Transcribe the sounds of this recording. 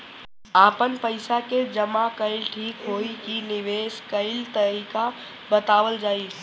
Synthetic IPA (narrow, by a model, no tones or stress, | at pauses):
aːpənpəɪsaked͡ʒəmakəɪlʈʰiːkɦoːikinɪʋeːskəɪlt̪əɾika | bət̪aːʋəld͡ʒaːi